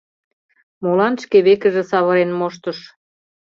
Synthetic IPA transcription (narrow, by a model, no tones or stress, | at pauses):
molɑnʃkeβekə̆ʒĕsɑβɤɾenmoʃt̪ə̆ʃ